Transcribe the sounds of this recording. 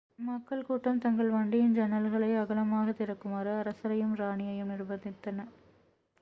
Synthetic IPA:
mɐkːɐɭkuːʈːɐmt̪ɐŋɡɐɭʋɐːɳɖɪjɪnd͡ʒɐnɐlɣɐɭɐɪɐɣɐlɐmaːɣɐt̪ɪɾɐkːɯmaːɾɯɐɾɐsɐɾɐjɯmɾaːɳɪjɐjɯmnɪrbɐnd̪ɪt̪ːɐnɐ

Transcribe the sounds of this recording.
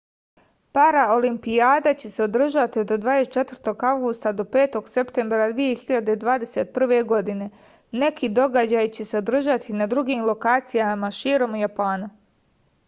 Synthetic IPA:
paɾao̞limpiaːd̪at͡ɕe̞se̞o̞d̪r̩ʒat̪iod̪d̪ʋaːjest͡ʃe̞t̪vərɾt̪o̞ɡawɡust̪ad̪o̞pe̞ːt̪o̞ɡse̞pt̪e̞mbɾad̪ʋije̞xiʎad̪ed̪ʋaːd̪e̞set̪̚pr̩ʋe̞ɡo̞d̪ine̞ | ne̞kʰid̪o̞ɡad͡ʑaːjt͡ɕe̞se̞o̞d̪ɾr̩ʒat̪ʰinad̪ɾuɡiːmlˠo̞kaːt̪sijamaʃiːɾo̞mujapaːnu

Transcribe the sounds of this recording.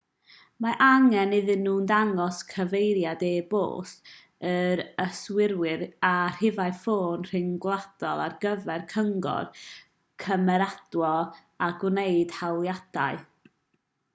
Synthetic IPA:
maʔaŋɛnɪðɨnːuːndaŋɔskʰəvejɾjadeːbo̰ːs | əɾəswɪɾwɪɾar̥ɪvaɨfoːnr̥ɪŋɡlˠad̥ɔlˠa̰rɡəvɛrkʰəŋɡɔ̰r | kʰəmɛɾad̥wɔ | aɡwnejd̥hawlˠjad̥a̰ɨ

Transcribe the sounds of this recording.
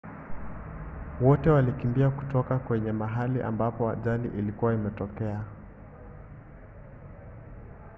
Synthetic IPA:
wɔtɛwalikimbiaku̥tɔkakwɛɲɛmaɦaliʔa̰mbapɔa̰ʄalḭʔilikuwaimɛtɔkɛa

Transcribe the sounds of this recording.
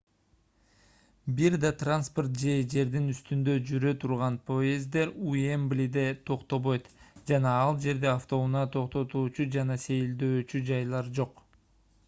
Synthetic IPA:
biɾd̪ɑt̪ranspo̞rt̪̚d͡ʒe̞d͡ʒe̞ɾd̪inyst̪ynd̪ø̞d͡ʒyɾøt̪ʰuɾʁɑnpʰo̞ezd̪e̞ɾuemblʲid̪e̞t̪ʰo̞qt̪o̞βo̞jt̪d͡ʒɑnɑɑlˠd͡ʒe̞ɾd̪e̞aft̪o̞unɑt̪ʰo̞qt̪o̞t̪uːt͡ʃud͡ʒɑnɑse̞jld̪øːt͡ʃyd͡ʒɑjlˠɑɾd͡ʒo̞q

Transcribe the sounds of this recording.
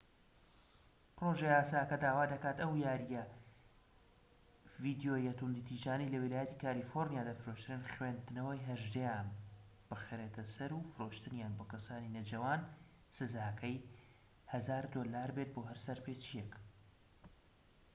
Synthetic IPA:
pɾo̞ʒejaːsaːjɐkɐd̪aːwaːd̪ɐkaːt̪ɐwjaːɾijɐ | vid̪jojɐt̪und̪it̪ʰiʒaːnilɐwɪlaːjɛt̪ikʰaːlifoɾnijaːd̪aːfɨɾoʃt̪ɨɾɨnχwend̪ɨnɐwɐjɦɐʒd̪ejaːn | b̥ɨxɾeːt̪ʰɐsɐɾufɨɾoʃt̪ɨnjaːnboːkɐsaːninɐd͡ʒɐwaːn | sɨzaːkʰɐj | hɐzaːɾd̪oːlaːɾbet̪̚boːɦɐɾsɐɾpeːt͡ʃijɛk

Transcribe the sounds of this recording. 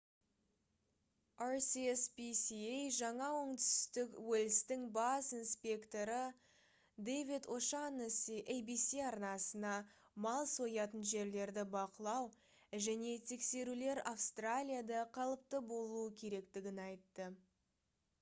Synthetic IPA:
aɾsiespisiejʒɑɴɑwoɴt̪ʏ̥st̪ɪkwɵlɪst̪ɪŋbɑsinspʲe̞kt̪o̞ɾə | d̪ejvid̪oʃansʔejbisiɑɾnɑsənɑ | mɑlˠso̞jɑt̪ənʒe̞ɾle̞ɾd̪ɪbɑqəlˠɑw | ʒæne̞t̪ʰe̞kse̞ɾule̞ɾafst̪ralʲijad̪ɑqʰɑlˠəp̚t̪əbo̞lˠuəkʲʰe̞ɾe̞kt̪ɪɡʲɪnɑjt̪ːə

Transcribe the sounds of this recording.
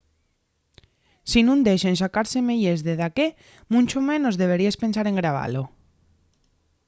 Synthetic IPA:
sinũnd̪eʃens̬akaɾsemeʎezðeðake | mũnt͡ʃomẽnozðeβ̞eɾiespensaɾeŋɡɾaβ̞a̰lo

